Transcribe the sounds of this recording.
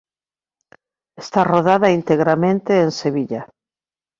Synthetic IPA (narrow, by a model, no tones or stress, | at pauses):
est̪aroðaðaint̪eɣɾamẽnt̪eːnseβiʎa